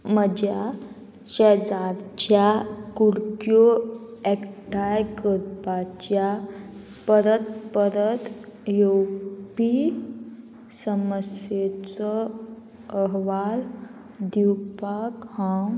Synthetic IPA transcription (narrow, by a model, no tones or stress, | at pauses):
məd͡ʑja | ɕɛd͡zaɾt͡ɕjakuɽkjoɛkʈajkəɾpat͡ɕja | pəɾət̪pəɾət̪jowpi | səməsjet͡sɔ | əɦʋal | d̪iwpakhã